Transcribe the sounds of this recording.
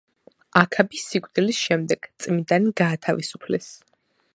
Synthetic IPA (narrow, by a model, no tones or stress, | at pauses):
akʰabisikʷʼd̪ilisʃɛmd̪ɛɡ̥t̪sʼmid̪ʼaniɡaːt̪ʰavisupʰlɛs